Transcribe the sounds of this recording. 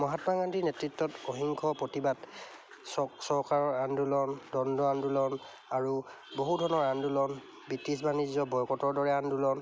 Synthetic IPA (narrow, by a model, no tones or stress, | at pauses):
mɔɦatmaɡandʱinɛtɹitːɔtoɦiŋkʰɔpɹotibat | ɔsɔɹkaɹɔɹandulɔndɔndɔandulɔn | aɹu | boɦudʱɔnɔɹandulɔn | bitːisbanizɔbɔjkɔtɔɹdɔɹɛandulɔn